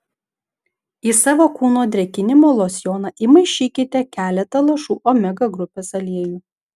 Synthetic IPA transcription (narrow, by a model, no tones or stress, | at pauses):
isɑːʋoːkuːnoːd̪ʲɾʲɛkʲɪnʲɪmoːlˠoːsʲjoːnɑʔiːmɐɪʃʲiːkʲɪt̪ʲɛkʲæːlʲɛt̪ɐlˠɐʃuːʔoːmʲɛɡɐɡɾʊpʲeːsɐlʲeɛjuː